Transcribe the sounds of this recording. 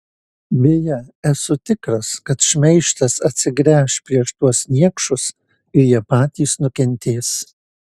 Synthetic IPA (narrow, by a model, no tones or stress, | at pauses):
bʲeːjɛæsʊt̪ʲɪkɾɐskɐt̪ʃʲmʲɛɪʃt̪ɐsɐt̪ʲsʲɪɡɾʲæːʃʲpʲɾʲiɛʃt̪uɔsnʲiɛkʃʊs | ɪɾjiɛpɑːt̪ʲiːsnʊkʲɛnʲt̪ʲeːs